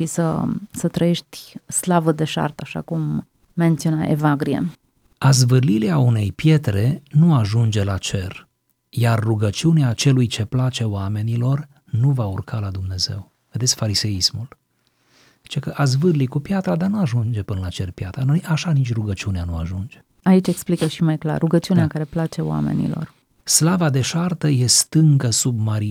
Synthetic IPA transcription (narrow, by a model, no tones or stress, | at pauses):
isə̰sət̪ɾəje̞ʃt̪ʲslavəd̪e̞ʃa̰rt̪aʃa̰kumː | ent̪siona̰ʔḛvaɡɾiḛ | azvɨrlileaune̞jpje̞t̪ɾe̞nuaʒund͡ʒe̞lat͡ʃe̞r | jarːuɡət͡ʃiuneat͡ʃe̞lujt͡ʃe̞plat͡ʃe̞owame̞nilo̞r | nuvaurkalad̪umne̞ze̞̰w | ve̞d̪esʲfaɾise̞ismul | zit͡ʃe̞kəʔaz̬vɨrlikupjat̪ɾad̪arnuaʒund͡ʒe̞pɨnəlat͡ʃe̞rpjat̪ɾanojʔaʃanit͡ʃʲruɡət͡ʃiuneanuaʒund͡ʒe | ait͡ʃʲeksplikəʃimajkla̰rːuɡət͡ʃiuneakaɾe̞plat͡ʃe̞oa̰me̞̰nḭlo̞̰r | slavad̪e̞ʃart̪əje̞st̪ɨŋkəsub̚maɾi